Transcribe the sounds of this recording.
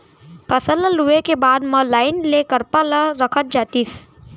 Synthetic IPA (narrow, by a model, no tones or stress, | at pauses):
pəsələluekebaːd̪mə̃laːɪnlekəɾpəlaɾəkʰət̪̚d͡ʒaːt̪is